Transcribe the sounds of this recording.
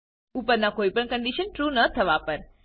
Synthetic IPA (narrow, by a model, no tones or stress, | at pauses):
upəɾnakoipəɳkəɳɖiʃənʈɾunət̪ʰəʋapəɾ